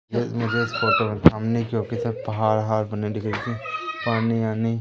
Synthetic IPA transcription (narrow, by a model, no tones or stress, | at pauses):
emʊd͡ʒʱespoːʈ̪õmẽtʰamnikjõːkisɐpɐɦaːɾɦaːɾbɐneɖɪkɽikipaːniaːni